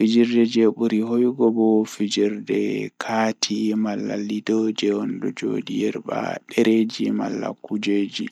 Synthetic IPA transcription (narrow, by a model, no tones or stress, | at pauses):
fid͡ʒiɾdɛd͡ʒeɓuɾiɦojɡɔbɔfid͡ʒiɾdɛkʰatʰimalːalidɔd͡ʒɛɔndɔd͡ʒo̰dijɛɾba̰ɗɛɾed͡ʒima̰lːa̰kud͡ʒeːd͡ʒi